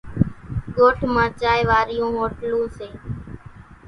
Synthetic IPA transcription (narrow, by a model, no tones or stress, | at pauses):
ɠoːʈʰmãːt͡ʃaːɪʋaːɾɪjũːɦoːʈlũːseː